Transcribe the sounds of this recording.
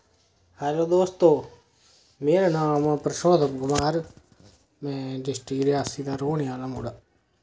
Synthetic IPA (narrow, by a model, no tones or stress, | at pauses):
həɾod̪oːst̪oː | meːɾaːnaːmpɾəʃoːd̪əpɡʊmaːɾ | mɛ̃ːd͡ʒɪsʈiːɾaːsiːd̪aːɾoːɳejaːnãmuːɽaː